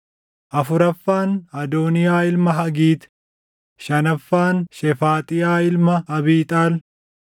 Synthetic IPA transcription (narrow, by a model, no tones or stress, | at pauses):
ʔɐfʊɾɐfːaːnɐd̪oːnɪjaːɪlmɐɦɐɡiːt̪ | ʃɐnɐfːaːnʃɛfaːt̪ʼɪjaːɪlmɐɐbiːt̪ʼaːl